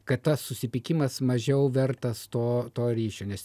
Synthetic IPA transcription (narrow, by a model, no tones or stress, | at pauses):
kɐt̪t̪ːɐsːʊsʲɪpʲɪkʲɪmɐsmɐʒʲɛʊʋʲɛrt̪ɐst̪oːt̪oːɾʲiːʃʲoːnʲɛs